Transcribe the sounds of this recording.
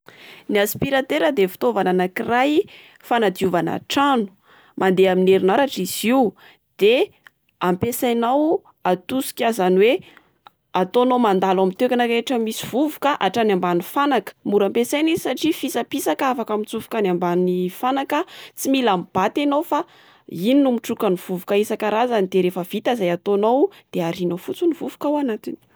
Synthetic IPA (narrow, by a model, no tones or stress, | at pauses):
niaspiɾat̪eɾəd̪efi̥t̪ovananakiraj | fanad̪iuvana̰ʈ͡ʂanu̥ | mand̪eamineɾinaɾaʈ͡ʂiz̥iw | d̪̥e | ampesajnaw | at̪usi̥kʲazanwe | at̪onomand̪alamit̪ekʲanakeʈ͡ʂəmisiv̥uvukaʔaʈ͡ʂanambanifanakə̥muɾampesajnizsaʈ͡ʂifisapisakafakamit͡sufu̥kanambanifanakət͡similamb̥at̪enofa | ininumiʈ͡ʂukaniv̥uvukaisakaɾazanid̪̥eɾefəv̥it̪azajat̪onowd̪̥eaɾinofut͡sunivuvu̥kawanat̪ini̥